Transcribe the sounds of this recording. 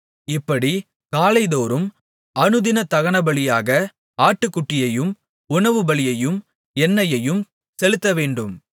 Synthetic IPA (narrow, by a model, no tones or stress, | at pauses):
ɪpːɐɽi | kaːlɐɪðoːɾɯm | ɐɳɯðɪnɐt̪ɐɣɐɳɐbɐɭɪjaːɣɐ | aːʈːɯkːʊʈːɪjɐjɯm | ʊɳɐʋɯbɐɭɪjɐjɯm | ɛnːɐjɐjɯm | sɛlɯt̪ːɐʋeːɳɖɯm